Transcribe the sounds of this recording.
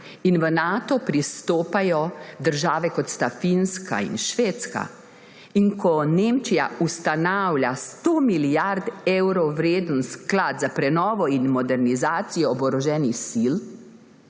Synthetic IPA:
inʋənaːt̪ɔpɾist̪oːpajɔd̪əɾʒaːʋɛkɔt̪st̪afinska̰ḭnʃʋeːt̪ska̰ | inkʰɔneːmt͡ʃijaust̪anawlʲjast̪oːmiljaɾd̪ewɾɔwɾeːd̪ən̩sklad̪zapɾɛnɔːʋɔinmɔd̪ɛɾnizaːt̪sijɔːbɔɾɔʒɛːnixsil

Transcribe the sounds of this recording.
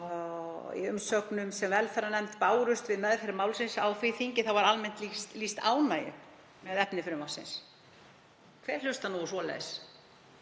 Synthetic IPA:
ḭʏmsœknʏmsɛmvɛlθaɾanɛmt̪paːwɾʏst̪vɪðmɛðθeɾɪɾmaːwlsɪnsawθvɪθiɲcɪθawvaɾalmɛn̥t̪list̪list̪a̰ːwnaːjʏ̰ | mɛðɛpnɪfɪɾʏmasɪ̰ns | kʰv̥ɛɾ̥l̥ʏst̪anusvɔlɛ̰ðs

